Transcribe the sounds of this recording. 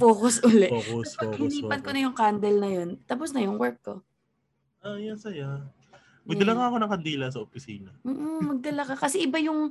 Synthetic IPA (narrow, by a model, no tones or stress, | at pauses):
poːkosʔʊlɛɪniːpɐn̚konɐjʊŋkand̪ɛlnɐjo̞nt̪aposnɐjʊŋwɛɹk̚ːo | ʔajansɐja | mɐd̪ɐlaŋaɐkonɐŋkɐnd̪iːlɐs̬ɐʔopɪsiːnɐːʔomɐɡ̚d̪ɐlakɐkɐsɛʔɪbajʊŋ